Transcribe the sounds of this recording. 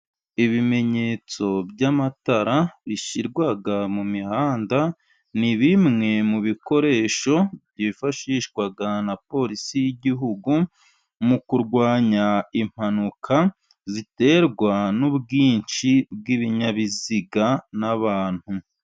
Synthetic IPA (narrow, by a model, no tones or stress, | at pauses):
iβime̞ɲe̞ːt͡so̞bɟamataɾaβiʃiɾɡwaɡamumihaːnda | niβimŋe̞muβiko̞ɾe̞ːʃo̞bɟifaʃiʃɡwaɡanapo̞ɾisijiɟiɦuɡu | mukuɾɡwaːɲaim̥hanukʰa | zite̞ːɾɡwanubɡiːnʃib̚ɡiβiɲaβiziɡanaβaːn̥hu